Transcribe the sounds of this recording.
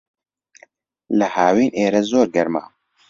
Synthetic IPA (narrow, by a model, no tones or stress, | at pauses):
ləhaːwiːneːɾɛzoːɾɡɛɾma̰ː